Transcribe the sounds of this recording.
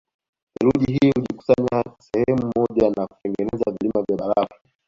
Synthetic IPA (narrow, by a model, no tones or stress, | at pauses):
hɛɾuʄiɦiːhuliku̥saɲasɛhɛmumɔʄanaku̥tɛŋɡɛnɛzavilimavjaɓaɾafḁ